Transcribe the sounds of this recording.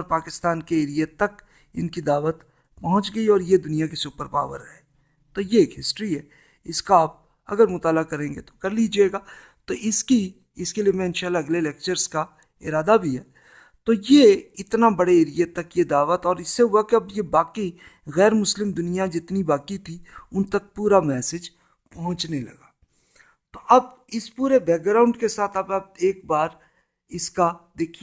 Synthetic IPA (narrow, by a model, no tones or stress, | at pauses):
ɔːɾpaːkɪst̪aːnkeeːɾijet̪ːɐk | ɪ̰nkid̪aːʋət̪ | pɐɦʊ̃t͡ʃɡɐiɔːɾjed̪ʊnijakeseʊpəɾpa̰ːʋə̰ɾɦɛː | t̪ojeeːkɦɪsʈɾiɦɛ | ɪskaaːp̚ | ɐ̰ɡəɾmʊt̪aːlakɐɾẽːŋɡet̪o̥kɐɾlid͡ʒieːɡaː | t̪oʔɪski | ɪskeliiemɛ̃ːnʃalɐɡleleːk̚t͡ʃəɾska | ɪ̰ɾaːd̪abʱiɦɛː | t̪ojeɪt̪nabɐɽeeːɾɪjet̪ɐkjed̪aːʋət̪ɔːɾɪsːeɦuakɐbjebaːki | ɣɛːɾmʊslɪmd̪ʊnijad͡ʒɪt̪nibaːkit̪ʰiʊnt̪ɐk̚puːɾamɛːsed͡ʒ | pɐɦʊ̃t͡ʃnelɐ̰ɡaː | t̪oʔɐbɪspuːɾebɛːk̚ɡɾaːʊ̃ɳɖkesaːt̪ʰɐbɐb̚eːk̚baːɾ | ɪskad̪eːkʰi